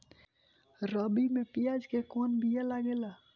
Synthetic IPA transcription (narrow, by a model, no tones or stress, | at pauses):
ɾəbimepijad͡ʒkekonbʱijalaɡela